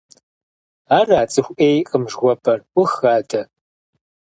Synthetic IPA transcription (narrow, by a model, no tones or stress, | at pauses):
aːraːt͡sʼɨxʷʔeːjqʼəmʒʁʷɔpʰɐrwʷʊxaːdʰɐ